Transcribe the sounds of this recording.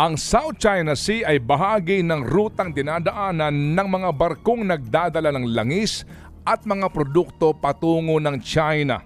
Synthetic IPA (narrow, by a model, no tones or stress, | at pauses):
ʔɐŋsawt̪̚t͡ʃajnɐsiʔɐjbɐɦaːɡinɐŋɾuːt̪ɐŋd̪ɪnad̪ɐʔaːnɐnːɐŋmɐŋabɐɾko̞ŋnɐɡ̚d̪aːd̪ɐlanɐŋlɐŋis | ʔɐt̪̚mɐŋapɾod̪uk̚t̪o̞pɐt̪uːŋo̞nɐŋt͡ʃajnɐ̰